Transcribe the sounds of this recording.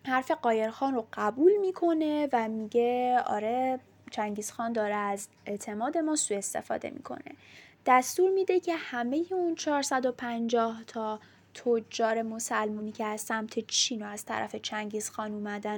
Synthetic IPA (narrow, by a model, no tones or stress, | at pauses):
hæɾfe̞ɢɒːje̞ɾxɒːnroɢ̥æbuːlmiːkʰo̞ne̞væmiːɟeɒ̰ːɾe | t͡ʃʰæŋɟiːz̥xɒːnd̪ɒːɾeæz | e̞t̪ʰe̞mɒːd̪e̞mɒːsuːe̞st̪e̞̰fɒ̰ːd̪e̞̰mḭːkʰo̞̰nḛd̪̥æst̪uːɾmiːd̪e̞cʰe̞hæme̞jeunt͡ʃʰɒːɾsæd̪o̞pʰænd͡ʒɒːht̪ʰɒː | t̪ʰod͡ʒɒːɾe̞mo̞sælmuniːcʰeæzsæmt̪ʰe̞t͡ʃʰiːnoæz̥t̪ʰæ̰ɾæ̰fe̞t͡ʃʰæŋɟiːz̥xɒːnuːmæd̪æn